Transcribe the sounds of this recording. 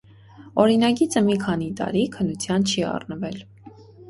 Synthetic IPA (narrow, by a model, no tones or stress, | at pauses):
ɔɾinɑɡit͡sʰəmikʰɑn̪it̪ɑ̰ɾikʰənːut͡sʰjɑnt͡ʃʰiɑ̰rnəvɛl